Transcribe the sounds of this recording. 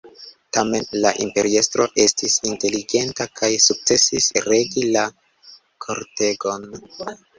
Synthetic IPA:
tame̞nlaʔimpe̞ɾie̞stɾo̞̰ʔe̞stisinte̞liɡe̞ntakʰajsuk̚t͡se̞sisɾe̞ɡila | kʰo̞ɾte̞ɡo̞n

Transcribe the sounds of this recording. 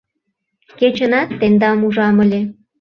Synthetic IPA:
ket͡ɕənɑt̪ːend̪ɑmuʒɑməlʲe

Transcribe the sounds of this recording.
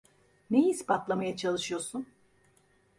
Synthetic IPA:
ne̞jispʰat̪lˠamajat͡ʃʰalˠɯʃɯjo̞ɾsun

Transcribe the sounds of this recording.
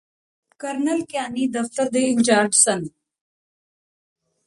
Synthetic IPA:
kəɾnəlkjaːniːd̪ɐft̪əɾd̪eːɪnt͡ʃaːɾɖsən

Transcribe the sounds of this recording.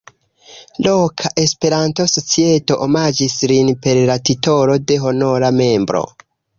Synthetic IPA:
lokʰaʔe̞spe̞ɾanto̞sot͡sieto̞ʔomad͡ʒislinpe̞ɾlatito̞ɾo̞de̞ɦo̞no̞ɾame̞mbɾo̞̰

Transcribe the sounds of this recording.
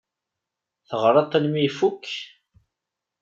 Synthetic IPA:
θəʁɾˤɑt̪ˤːænmifukː

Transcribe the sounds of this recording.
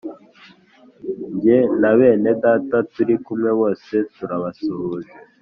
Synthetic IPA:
ɲɟenaβe̞ːne̞daːtatuɾikumŋe̞wo̞ːse̞tuɾaβasuhuze

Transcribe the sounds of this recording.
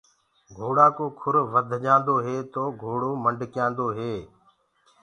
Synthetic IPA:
ɡʱoːɽaːkoːkʰʊɾʋəd̪ʱʄãːnd̪oːɦeːt̪oːɡʱoːɽoːməɳɖʱkɪjãːnd̪oːɦeː

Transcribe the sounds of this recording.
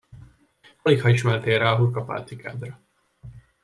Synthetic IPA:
fɒlikhɒiʃmɛlt̪eːɾɛɒɦurkɒpa̰ːlt̪sika̰ːd̪rɒ

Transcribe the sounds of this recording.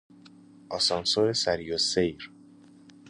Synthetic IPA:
ʔɒsɒnsoɾesæɾijosejɾ

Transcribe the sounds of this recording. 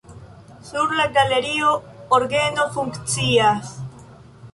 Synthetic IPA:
suɾlaɡaleɾiooɾɡenofuŋkt͡sias

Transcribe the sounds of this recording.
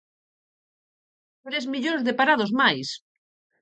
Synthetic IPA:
tɾezmiʎozðepaɾaðozmajs

